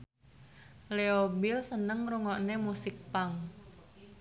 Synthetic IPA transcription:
leobilsənəŋruŋɔʔnemusɪk̚paŋ

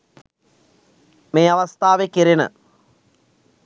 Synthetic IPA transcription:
meːɐʋɐst̪ʰaːʋekiɾenə̰

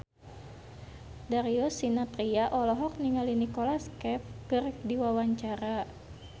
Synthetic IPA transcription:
daɾiɔsinat̪ɾiaʔɔlɔɦɔk̚niŋalinikɔlaskɛfkɨrdiwawaɲt͡ʃaɾa

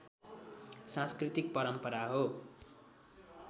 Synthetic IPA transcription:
sãskrit̪ik̚pʌɾʌmpʌɾaɦo

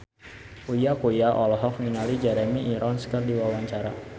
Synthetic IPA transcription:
ʔujakojaʔɔlɦɔk̚ŋiŋalid͡ʒɛɾɛmiʔːɾɔnskərdiwawaɲt͡ʃaɾa̰

